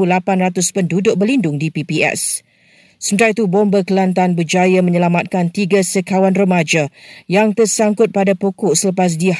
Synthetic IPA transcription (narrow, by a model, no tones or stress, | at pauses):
ulapanrat̪ʊspəndudʊʔ̚bərlindʊŋdipipiʔɛ̰s | səmət̪aɾit̪ubɔmbakəlant̪̬anbəd͡ʒajamə̃ɲəlamat̪̚kant̪iɡasəkawanrəmad͡ʒajaŋt̪ərsaŋkʊt̪̚padapokɔʔsələpas̬dih